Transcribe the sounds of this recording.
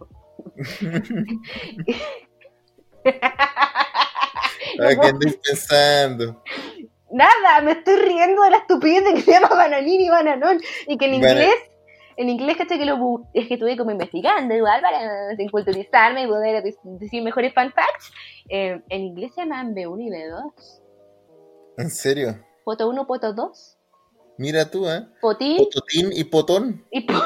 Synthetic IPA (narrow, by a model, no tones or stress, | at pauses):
aeand̪ojspensand̪o | naðamest̪ojriend̪oðelaest̪upiðeðekesejamaβananiniβananonikeniŋɡles | eniŋɡlehkat͡ʃajkelokuehket̪ujek̬omoimbeht̪iɣand̪oowalpaɾaiŋkult̪uɾisaɾmeipoðeɾaðid̪isiɾmexoɾesfanfakt̪semenĩŋɡleseamambeuniβeðos | enseɾjo | pot̪ounopot̪oðos | miɾat̪uapot̪int̪ot̪inipot̪onipo